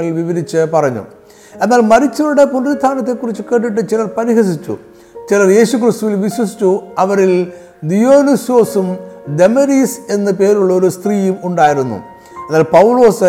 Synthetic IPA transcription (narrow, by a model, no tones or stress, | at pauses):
ɐɭʋiʋɐɾit͡ɕːɨpɐrɐɲːṵ | e̞nːaːlmɐɾit͡ɕːɐɾuɽe̞punɾst̪ʰaːnɐt̪̬ːe̞kːurit͡ɕːukeʈːiʈ̬ːɨt͡ɕilɐrpɐɾiɦɐsit͡ɕːṵ | t͡ɕilɐrje̞ːɕukrist̪uʋilʋiɕwɐs̬i̥t͡ɕːuɐʋɐɾil | d̪ijo̞ːniso̞ːsumd̪e̞mɐɾiːse̞nːɨpe̞ːɾuɭːɐo̞ɾust̪riːjumuɳɖaːjiɾunːṵ | enːaːlpɐwulo̞ːs